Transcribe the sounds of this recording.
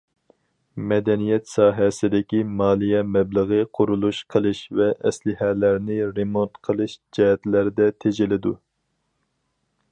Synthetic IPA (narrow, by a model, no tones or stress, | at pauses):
mɛd̪ɛnijɛt̪sɑːɦɛsɪd̪ɪkʲimɑːlˠijɛmɛblˠəʁəqʰʊɾulˠuʃqʰəlˠɨʃvɛʔɛslɪɦɛlæɾnɪɾemont̪qʰəlˠɨʃd͡ʒɛɦɛt̪læɾd̪ɛt̪ʰed͡ʒɪlɪd̪u